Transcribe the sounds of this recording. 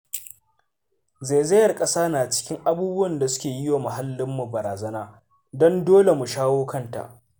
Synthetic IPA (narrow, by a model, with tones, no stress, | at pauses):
ze˨zɐ˦jɐ˨rkʼɐ˦saː˦naː˨t͡ʃɪ̥˦kʲɪ˦ŋʔa˦buː˦bʊ˦wɐ˨nda˨sʊ˦kʲeː˨jɪ˦waː˨mɐ˨ɦa˦lːɪ˦mːu˨bɐ˨ɾaː˨zɐ˦naː˦ | dɔ˦ndoː˦le˨mu˨ʃaː˦woː˦kɐ˦nta̰˨ʔ